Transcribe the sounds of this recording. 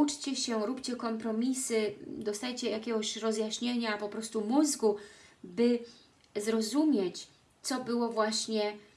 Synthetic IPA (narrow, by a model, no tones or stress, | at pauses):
ut͡ʂt͡ɕɛɕɛɾupt͡ɕɛkɔmpɾɔmʲisɘd̪ɔst̪ajt͡ɕɛjakʲɛɡɔɕɾɔzjaɕɲeɲapɔpɾɔst̪umuzɡubɘ | zɾɔzumʲjet͡ɕ | t̪sɔbɘwɔvwaɕɲɛ